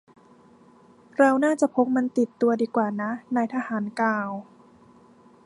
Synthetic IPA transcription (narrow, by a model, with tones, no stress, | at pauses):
ɾa˧wnaː˥˩t͡ɕa˨˩pʰo˦˥k̚ma˧nt̪i˨˩t̪ːu˧ɐdiː˧kwaː˨˩na˦˥na˧jt̪ʰa˧haː˩˦nkaː˧˩w